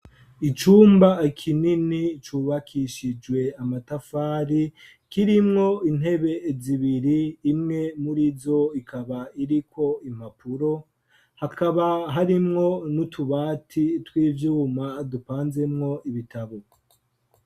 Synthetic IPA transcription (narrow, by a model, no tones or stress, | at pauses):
it͡ʃuːmbakʰininit͡ʃuːβakʰiʃid͡ʒwe̞amatafaːɾi | kiɾimŋo̞in̥ɦe̞βe̞ziβiɾiːmŋe̞muɾizo̞ikʰaβaiɾikʰo̞im̥apʰuɾo̞ | hakaβaɦaɾimŋo̞nutʰuβaːtʰitwiːvjuːmadupaːnze̞mŋo̞iβitʰaβo